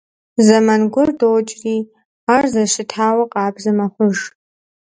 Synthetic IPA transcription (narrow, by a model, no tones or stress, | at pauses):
zɐmanɡʷɔrdoːt͡ʃʼriː | aːrzɐʃɪtʰaːwɐqʼɑːbzɐmɐχʷʊʒ